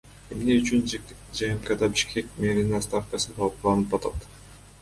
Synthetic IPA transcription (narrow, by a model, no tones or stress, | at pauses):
e̞mne̞yt͡ʃyn | d͡ʒɑemkɑd̪ɑbiʃkʰe̞kmeɾʲinst̪afkasɯd̪ɑqulˠɑnɯpɑt̪ɑt̪